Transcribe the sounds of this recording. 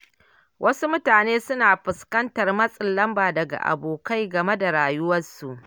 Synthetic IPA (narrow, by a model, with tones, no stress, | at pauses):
wʔɐ˦su˦mʊ˦taː˨neː˦sʊ˦naː˨ɸɪ˨skɐ˦ntɐ˨rmɐ˦sʼɪ˨lːɐ˦mbaː˨dɐ˨ɡa̰˨ʔa̰˨boː˨ka˦jɡɐ˨me˦da˨ɽaː˨jʊ˦wɐ˦rsu˨ʔ